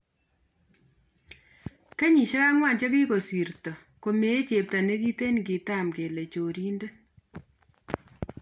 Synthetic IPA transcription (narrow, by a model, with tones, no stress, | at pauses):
ke˦ɲi˨ʃe˦ka˦ŋwa˦˨nt͡ʃe˦ki˦ko˨si˨ɾtɔ˨ | ko˨me˨˦t͡ʃe˨p̚ta˨ne˦ki˦te˦nɡi˨ta˦˨mke˨le˨t͡ʃo˨ɾi˦nde˦